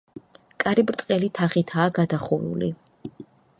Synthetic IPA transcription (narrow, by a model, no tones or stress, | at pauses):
kʼaɾibɾt̪ʼqʼɛlit̪ʰaχit̪ʰaːɡad̪aχuɾṵli